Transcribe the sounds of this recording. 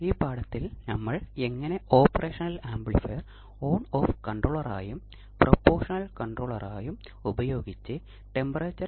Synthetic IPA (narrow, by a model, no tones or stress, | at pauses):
iːpaːɽɐt̪ːilnɐmːɐɭe̞ŋːɐne̞o̞ːpːɐrʔeːʂɐnɐlaːmbɭifeːr | o̞ːnoːfkɐɳʈroːɭɐraːjum | propːoːʂɐnɐlkɐɳɖroːɭɐraːjum | ubɐjo̞ːɡit͡ɕːɨ | ʈe̞mbɐrɐt͡ɕːɐ